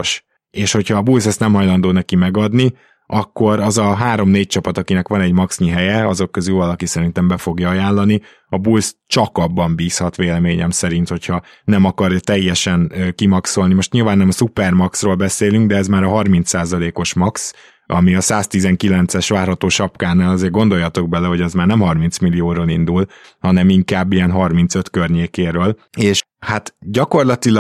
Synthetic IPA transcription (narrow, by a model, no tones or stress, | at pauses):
ʃ | eːʃho̞chɒːbulsɛst̪nɛmɦɒjlɒnd̪oːnɛkimɛɡɒd̪ni | ʔɒkːo̞ɾɒzɒɦaːɾo̞mneːc̚t͡ʃɒpɒt̪ɒkinɛkʋɒnɛɟmɒksɲiɦɛjɛɒzo̞kːøzylvɒlɒkisɛɾint̪ɛmbɛfo̞ɡjɒɒjaːnlːɒni | ɒbulst͡ʃɒkɒbːɒmbiːshɒt̪ʋeːlɛmeːɲɛmsɛɾin̪t̪ho̞cʰhɒ | nɛmɒkɒrjɒt̪ɛjːɛʃɛnkimɒkso̞lnimo̞ʃt̪ɲiːlvaːnːɛmɒsupɛrmɒksroːlbɛseːlyŋɡd̪ɛɛzmaːɾɒɦɒrmint̪sːaːzɒleːko̞ʃmɒks | ʔɒ̰miɒsaːst̪izɛŋkilɛnt̪sɛʃʋaːrɦɒt̪oːʃɒpkaːnːaːlɒzeːrɡo̞nd̪o̞jɒt̪o̞ɡ̚bɛlɛɦo̞ɟɛzmaːrnɛmɦɒrmint̪smilijoːɾoːlind̪ul | hɒnɛmiŋkaːbːijɛnɦɒrmint̪sø̞t̪kørɲeːkeːɾøːleːʃ | hat̪ɟɒko̞rlɒt̪il